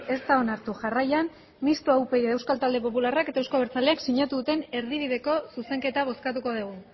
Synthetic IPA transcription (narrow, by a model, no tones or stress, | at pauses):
e̞st̪ao̞naɾt̪uʝarajan | mist̪uawpe̞iewskalt̪ald̪e̞po̞pularaket̪aewskoβeɾt͡sale̞aksiɲat̪uðut̪e̞ne̞ɾðiβ̞iðe̞ko̞suse̞ŋke̞t̪aβ̞o̞skat̪uko̞ðeɣu